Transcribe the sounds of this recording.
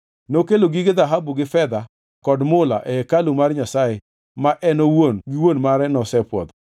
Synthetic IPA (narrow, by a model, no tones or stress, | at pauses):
nokeloɡiɡɪd̪aɦabuɡɪfɛd̪a | kɔdmʊla̰ʔɛkalumarɲasajɪ | maʔɛnowonɡiwonmaɾɛnɔsɛpwɔ̰d̪